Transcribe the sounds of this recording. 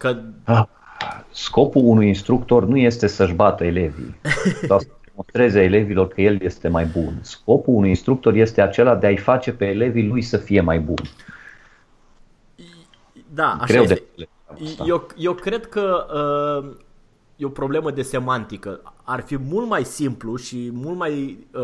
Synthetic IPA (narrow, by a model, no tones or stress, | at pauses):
kəə | sko̞puunujinst̪ɾukt̪o̞rnuje̞st̪e̞səʒbat̪əele̞vḭoasəd̪emonst̪ɾe̞zeele̞vilo̞rkəje̞lje̞st̪e̞majbunsko̞puunujinst̪ɾuk̚t̪o̞rje̞st̪e̞at͡ʃe̞lad̪e̞aijfat͡ʃe̞pe̞ːle̞vilujsəfije̞majbṵn | d̪aa̰ɡɾewd̪eele | aaejewkɾe̞d̪kəə | jeopɾo̞ble̞məd̪e̞se̞mant̪ikəarfimult̪majsimpluʃimult̪maj